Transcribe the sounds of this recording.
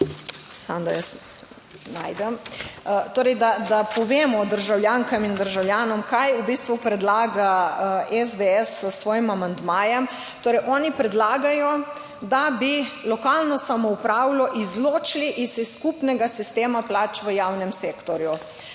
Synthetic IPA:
sa̰md̪a̰jəs | najd̪ɛm | t̪oːɾɛjd̪ad̪apɔʋeːmɔd̪əɾʒawljaŋkamind̪əɾʒawljaːnɔmkajubist̪ʋupɾɛd̪laːɡaɛzd̪eɛssʋɔːjimamand̪maːjɛm | t̪oːɾɛjʔɔːnipɾɛd̪laːɡajɔ | d̪abilɔkalnɔsamɔupɾaːwlɔʔizloːt͡ʃliʔisisːkupnɛɡasist̪eːmaplaːt͡ʃʋəjawnɛmseːkt̪ɔɾju

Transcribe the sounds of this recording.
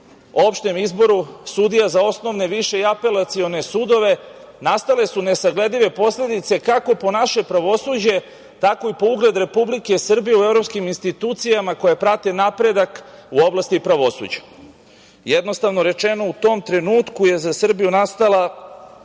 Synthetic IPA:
o̞pʃt̪e̞mizbo̞ɾusud̪ijazao̞sno̞ʋne̞ʋiʃe̞iape̞lat̪sio̞nesud̪o̞ʋe̞ | nast̪ale̞sune̞saɡle̞d̪liʋe̞po̞sle̞d̪it̪se̞kako̞po̞naʃe̞pɾaʋo̞suːd͡ʑe̞ | t̪ako̞ipo̞uɡle̞d̪ɾe̞publike̞sr̩bijeuevɾo̞pskiminst̪it̪uːt̪sijamako̞japɾat̪enapɾe̞d̪akuo̞blˠast̪ipɾaʋo̞sṵd͡ʑḁ | jed̪no̞st̪aʋno̞ɾe̞t͡ʃe̞no̞ut̪o̞mt̪ɾe̞nuːt̪kuje̞zasr̩bijunast̪ala

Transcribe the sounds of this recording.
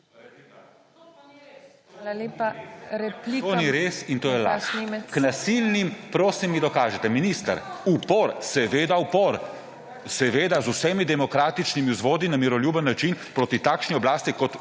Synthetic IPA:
alalepaɾɛplit̪oniɾesint̪oːjɛla̰sʃiknasilnimpɾoːsimːid̪ɔkaːʒɛt̪ɛminist̪ə̰ɾupɔɾsɛʋeːd̪aupɔɾ | sɛʋeːd̪azusɛːmid̪ɛmɔkɾaːt̪it͡ʃnimiuzʋoːd̪inamiɾɔljuːbənːat͡ʃinpɾoːt̪it̪aːkʃniɔblaːst̪ikɔt̪

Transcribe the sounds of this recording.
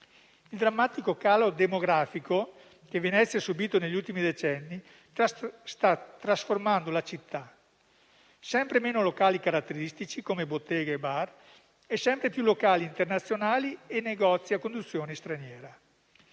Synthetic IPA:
ild̪ɾamːaːt̪ikokaːlod̪emoɡɾaːfiko | k̟evenɛt̪sːjasubiːt̪oneʎːult̪imid̪et͡ʃɛnːi | st̪at̪ːɾasformand̪olat͡ʃit̪ːa | sɛmpɾemeːnolokaːlikaɾat̪ːeɾist̪it͡ʃikomebot̪ːɛːɡaebar | ɛsɛmpɾepjulokaːliːnt̪ernat̪sːjonaːliɛnːeɡɔt̪sːiakːond̪ut̪sːjoːnest̪ɾanjɛːɾa

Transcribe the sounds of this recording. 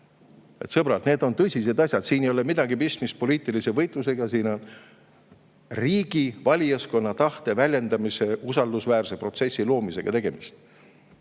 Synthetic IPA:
e̞̰t̪sɤb̥ɾɑlt̪ne̞ːd̪o̞nt̪ɤsʲise̞d̪ɑsʲjɑd̪̥siːnejo̞lemid̪ɑɡipist̪mist̪̚po̞liːt̪ˑilise̞vɤ̞jt̪ˑluse̞ɡ̥ɑsiːno̞n | riːɡ̥ivɑlʲijɑsko̞nːɑt̪ɑht̪e̞vælʲje̞nd̪ɑmise̞usɑld̪usvæːrse̞pro̞t̪se̞sʲːilo̞ːmise̞ɡ̥ɑ̰t̪eɡ̥e̞mist̪

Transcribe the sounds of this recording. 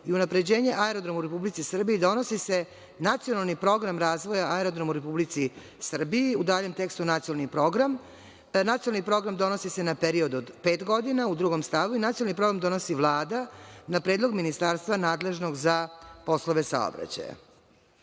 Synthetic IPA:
iunapɾe̞d͡ʑeːɲe̞ʔaeɾo̞d̪ɾo̞muɾepublit̪sisr̩biid̪o̞nosise | nat̪sijo̞nalˠnipɾo̞ɡɾamɾaːzʋo̞jaaeɾod̪ɾo̞muɾepublit̪si | sr̩biiud̪aːʎe̞mt̪e̞kst̪unat̪siolˠnipɾoɡɾam | nat̪siolˠnipɾo̞ɡɾamd̪o̞nosise̞napeɾiod̪od̪pe̞ːt̪ɡo̞d̪inaud̪ɾuɡo̞mst̪aʋuinat̪siolˠnipɾo̞ɡɾamd̪o̞nosiʋlˠaːd̪anapɾeːd̪lˠo̞ɡminist̪aɾst̪ʋanaːd̪le̞ʒno̞ɡzapo̞slo̞ʋe̞sa̰o̰bɾa̰t͡ɕa̰ja̰

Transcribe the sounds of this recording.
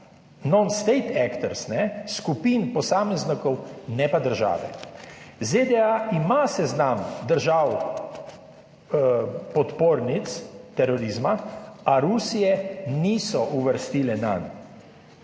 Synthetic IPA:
nɔnst̪ɛjt̪ɛkt̪ɛɾsnɛskupinpɔsaːmɛznikɔwnɛpad̪əɾʒa̰ːʋɛ̰ | zed̪ɛaʔimasɛznamd̪əɾʒaːw | pɔt̪poːɾnit̪st̪ɛɾɔɾizmaaɾusijɛniːsɔʔuʋəɾst̪iːlɛna̰n

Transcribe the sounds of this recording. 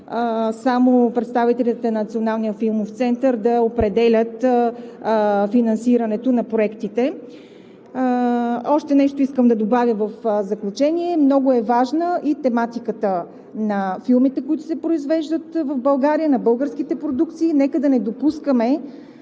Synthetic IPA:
samopɾɛt̪st̪avit̪ɛlʲit̪ɛnnət̪sionalˠnijəfilˠmoft̪sɛnt̪əɾd̪ɐopɾɛd̪ɛlʲət̪ | finɐnsiɾɐnɛt̪onɐpɾoɛkt̪it̪ɛ | ɔʃt̪ɛnɛʃt̪oiskəmd̪ɐd̪obavʲjəvəfzəklʲut͡ʃɛniɛmnɔɡoɛvaʒnəʔit̪ɛmat̪ikət̪ə | nɐfilˠmit̪ɛkʊit̪ʊ̥sɛpɾoizvɛʒd̪ət̪vəvbɐlˠɡaɾijənɐbɤlˠɡəɾskit̪ɛpɾod̪uk̚t̪siːnɛkəd̪ɐnɛd̪opuskəmɛ

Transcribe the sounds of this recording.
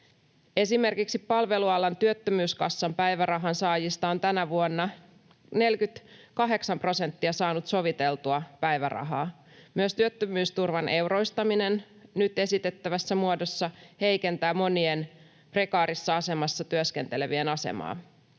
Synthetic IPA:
e̞sime̞rkiksipːɑlʋe̞luɑlːɑnt̪yøt̪ːømyːskɑsːɑmpæjʋærɑɦɑnsɑːjist̪ɑo̞nt̪ænæʋuonːɑ | ne̞lkyt̪kɑɦe̞ksɑmpro̞se̞nt̪ːiɑsɑːnut̪so̞ʋit̪e̞lt̪uɑpæjʋæ̰rɑ̰ɦɑː | myøst̪yøt̪ːømyːst̪urʋɑnʔe̞wrojst̪ɑmine̞n | nyt̪e̞sit̪e̞t̪ːæʋæsːæmuodo̞sːɑhe̞jke̞nt̪æːmo̞nien | pre̞kɑːɾisːɑɑse̞mɑsːɑt̪yøske̞nt̪ele̞ʋie̞nɑse̞̰mɑ̰ː

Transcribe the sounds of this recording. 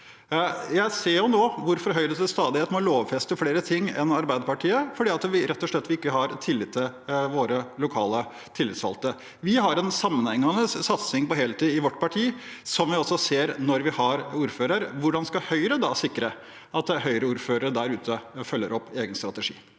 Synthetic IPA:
jæɪseːɾjʊnoːʋʊɾfɔɾɦœʏɾəd̪ɛst̪ɑːd̪ɪheːt̪mɔloːʋfɛst̪əfleːɾət̪ʰɪŋːɛ̰nɑɾbæɪd̪əpɑʈʰiːəfɔɖiːɑt̪ʋɪɾɛt̪ːɔʂɭɛt̪ːʋɪɪkːəhɑɾt̪ʰɪlːɪt̪ʰːɪlʋoːɾəlʊkʰɑːlə | t̪ʰɪlːɪt̪sɑ̰lt̪ə | ʋɪɦɑɾɛnsɑmːənhɛŋːɑnəsːɑt̪sɪŋpɔɦeːlət̪iːɪʋɔʈːpɑʈʰiːsɔmʋɪɔsɔseːɾnɔɾʋɪhɑɾuːɾføːɾəɾʋʊɖɑnskɑhœʏɾəd̪ɑsɪkːɾə | ɑt̪hœʏɾəuːɾføːɾəɾəd̪æɾʉːt̪ʰəfœlːəɾɔpːeːɡənst̪ɾɑt̪əʂḭː

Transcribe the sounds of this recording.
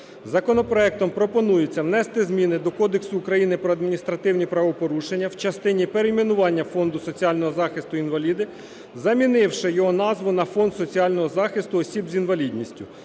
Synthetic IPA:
zɐkɔnɔpɾɔɛk̚t̪ɔmpɾɔpɔnujet͡sʲːɐwnɛst̪ɪzmʲinɪd̪ɔkɔd̪eksʊːkɾɐjinɪpɾɔɐd̪mʲinʲist̪ɾɐt̪ɪwnʲipɾɐʋɔpɔɾuʃenʲːɐwt͡ʃɐst̪ɪnʲipeɾemʲinʊʋɑnʲːɐfɔnd̪ʊsɔt͡sʲiɑlʲnɔɦɔzɑxɪst̪ʊinʋɐlʲid̪ɪ | zɐmʲinɪwʃɪjɔɦɔnɑzʋʊnɐfɔnd̪sɔt͡sʲiɑlʲnɔɦɔzɑxɪst̪ʊɔsʲibzʲinʋɐlʲid̪ʲnʲisʲtʲʊ

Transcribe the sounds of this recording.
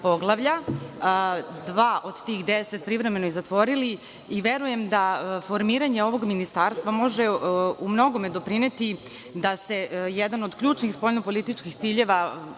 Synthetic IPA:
po̞ɡlˠaʋʎa | d̪ʋaːʔo̞d̪t̪iːxd̪ese̞t̪̚pɾivɾeme̞nojizat̪ʋo̞ɾili | iʋe̞ɾuje̞md̪afo̞ɾmiːɾaɲeo̞ʋo̞ɡminist̪aːɾst̪ʋamo̞ʒeumno̞ɡo̞med̪o̞pɾine̞t̪i | d̪ase̞jɛd̪ano̞d̪kʎuːt͡ʃnixspo̞jnopo̞lit̪it͡ʃkixt̪siːʎe̞ʋa

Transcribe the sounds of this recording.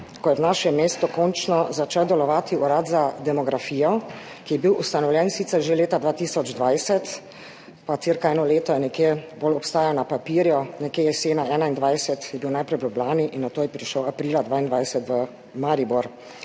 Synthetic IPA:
kɔjɛwnaːʃɛmːeːst̪ukɔnt͡ʃnɔzat͡ʃɛwd̪ɛlɔʋaːt̪iuɾat̪zad̪ɛmɔɡɾafiːjɔ | kijɛbiwʔust̪anɔwlʲjɛnsit̪sɛɾʒeleːt̪ad̪ʋaːt̪iːsɔd͡ʒd̪ʋajsɛt̪ | pat̪siːɾkaɛːnɔleːt̪ɔjɛnɛkjebolɔpst̪aːjanapapiːɾjɔnɛkeːjɛseːnaɛːnaind̪ʋajsɛt̪jɛbiwnajpɾɛjblublaːniʔinːat̪oːjɛpɾiʃəwapɾiːlad̪ʋaːind̪ʋajsɛt̪ʋə | maɾibuɾ

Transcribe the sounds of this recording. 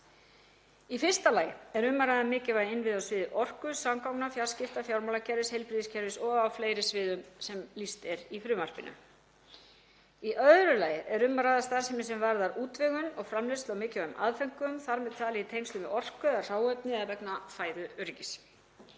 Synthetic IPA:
ifɪr̥st̪alaːjɪɛɾʏmːaɾajðamɪːcɪvajɪnvɪðawsvɪːðʏʔɔr̥kʏsamkawknafjḁscɪft̪afjawɾmawlacʰɛɾvɪshejlpɾiðiscʰɛɾvɪsɔɣawfleːjɾɪsvɪːðʏmsɛmlist̪ɛɾifɾʏːmaɾ̥pɪna̰ | iʔœðɾʏlaːjɪɛɾʏmːaɾaːðast̪aːsɛmɪsɛmvaɾðaɾuːt̪vɪɣʏnɔɣfɾamlœst̪lawmɪːcɪvaʏma̰ðfɛŋ̥kʏmθaɾmɛðt̪ʰaːlɛɪt̪ʰejmst̪ʏmɪɔr̥kʏðar̥aːwœpnɪðaðvɛknafaːjðʏʏɾcɪs

